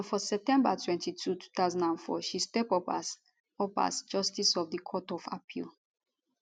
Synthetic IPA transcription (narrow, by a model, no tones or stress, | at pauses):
nfɔsɛp̚tɛ̃mbatʰwɛ̃ntitʰutʰu̥t̪aʊzãndãnfɔ̰ʃistɛpɔpas | ɔpa̰sd͡ʒɔstisɔfdikʰɔtɔfa̰pʰḭl